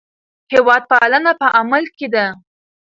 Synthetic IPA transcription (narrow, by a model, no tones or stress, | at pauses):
hewɑd̪̚palanapəʔamalked̪a